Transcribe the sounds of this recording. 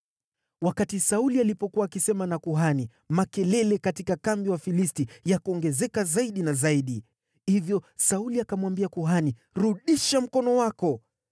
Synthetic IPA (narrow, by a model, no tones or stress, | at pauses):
wakatisaulialipɔkuwaːkisɛmanakuɦani | makɛlɛlɛkatikakambiwafilistijakuɔŋɡɛzɛkazaiɗinazaiɗi | hivjɔsauliakamwambiakuɦaniɾuɗiʃam̩kɔnɔwakɔ